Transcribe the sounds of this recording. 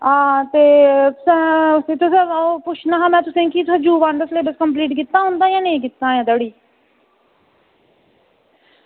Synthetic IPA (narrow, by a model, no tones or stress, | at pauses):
ãːt̪eːt̪ʊsɛ̃ːsẽːt̪ʊsɛ̃ːoːpʊt͡ʃʰnaːɦãːmɛ̃ːt̪ʊsẽkit̪əd͡ʒuːʋãːnɖəsleːbəskəmpliːʈkɪt̪ːaːɦʊ̃ːnd̪aːjãːnẽːk̬ɪt̪ːãːjãːd̪əɽiː